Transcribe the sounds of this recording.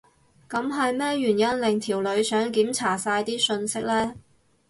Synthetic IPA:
kɐ˨˧˥mɦɐ˨jmɛː˥jyː˨˩njɐ˥nlɪ˨ŋt̪ʰiː˨˩wlɵ˨˧ɥsœː˨˥ŋkiː˨˥mt͡sʰaː˨˩saː˧jt̪iː˥sɵ˧nsɪ˥k̚lɛː˥

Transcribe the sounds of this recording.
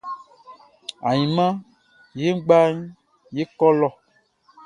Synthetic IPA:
a˨ɲĩ˨mã˦ | je˦ŋ̩˦ɡ͡ba˦ɲ˦ | je˦kɔ˦lɔ˦˨

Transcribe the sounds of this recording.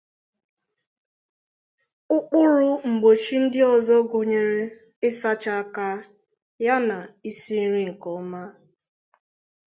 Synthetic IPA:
ʊ˦k͡pʊ˦ɾʊ˦ŋ͡m̩˨ɡ͡bo˨t͡ʃi˦n̩˦dɪ˦ɔ˨zɔ˦ɡʊ˨ɲe˨ɾe˦ | ɪ˦sa˦t͡ʃa˦a˦ka˦ | ja˦na˨i˦si˦ɾi˦ŋ̩˨kɔ˨˦ma˦

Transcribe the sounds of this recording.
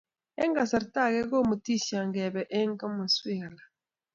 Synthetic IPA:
ɛ˦ŋɡa˨sa˨ɾta˦˨kɛ˦ko˦mu˨ti˦˨ʃa˨ŋɡɛ˨bɛ˨ʔɛ˦ŋ˦ka˦mu˨swe˦˨a˨la˨

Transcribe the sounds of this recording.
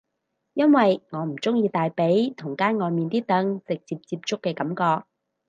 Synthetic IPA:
jɐ˥nwɐ˨jŋɔː˨˧m̩˨˩t͡sʊ˥ŋjiː˧t̪aː˨jpe˨˥jt̪ʰʊ˨˩ŋkaː˥nŋɔː˨˧jmiː˨nt̪iː˥t̪ɐ˨˥ŋt͡sɪ˨k̚t͡siː˧p̚t͡siː˧p̚t͡sʊ˥kːɛː˧kɐ˨˥mkɔː˧k̚

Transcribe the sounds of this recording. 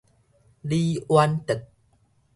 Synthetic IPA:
liː˦wa˧nt̪ə˨˩k̚

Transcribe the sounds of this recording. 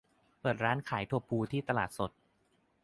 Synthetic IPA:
pɤː˨˩t̪̚ɾaː˦˥nkʰaː˩˦jt̪ʰu˥˩pʰuː˧t̪ʰiː˥˩t̪a˧laː˨˩t̪̚so˨˩t̪̚

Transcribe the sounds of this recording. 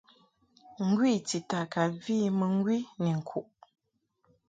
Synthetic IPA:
ŋ̩˦ɡwi˦˨ti˨ta˨ka˨viː˦mə˨ŋ̩˦ɡwi˦ni˨ŋ̩˨kʰu˨ʔ

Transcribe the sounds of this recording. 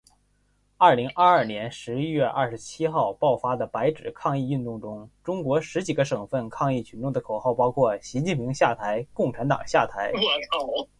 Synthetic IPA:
ɐ˥˩li˧˥ŋʔɐ˥˧ɐ˞˥˩njɛ˧˥nʂɻ̩˧˥i˥ɥɛ˥˧ʔɐ˥˩ʂ̩˧˥t͡ɕʰi˥xɑ˥˩˧ʊpɑ˥˩ʊfa˥d̪ə˨pa˧˥ɪʈ͡ʂɻ̩˨˩kʰɑ˥˧ŋi˥˧y˥˧nt̪ʊ˥˩ŋʈ͡ʂʊ˥ŋʈ͡ʂʊ˥ŋkwɔ˧˥ʂɻ̩˧˥t͡ɕi˨˩ɡə˧˦ʂɤ˨˩ŋfə˥˩nkʰɑ˥˧ŋi˥˩t͡ɕʰy˧˥nʈ͡ʂʊ˥˩ŋd̪ə˩kʰo˨˩ʊxɑ˥˩ʊpɑ˥ʊkʰwɔ˥˩ɕi˧˥t͡ɕi˥˩npʰi˧˥ŋɕja˥˩t̪ʰa˧˥ɪkʊ˥˩ŋʈ͡ʂʰa˧˥nt̪ɑ̰˨˩ŋɕja˥˩t̪ʰa˧˥ɪ

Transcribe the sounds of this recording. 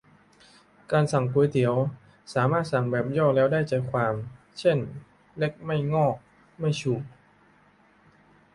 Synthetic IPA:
kaː˧nsa˨˩ŋpuː˨˩˦jt̪ʰi˨˩˦əw | saː˩˦maː˥˩t̪̚sa˨˩ŋbɛː˨˩p̚jɔː˥˩lɛː˦˥wdaː˥˩jt͡ɕaː˨˩kʰwaː˧m | t͡ɕʰe˥˩n | le˦˥k̚ma˥˩jŋɔː˥˩k̚ | ma˥˩jt͡ɕʰuː˨˩

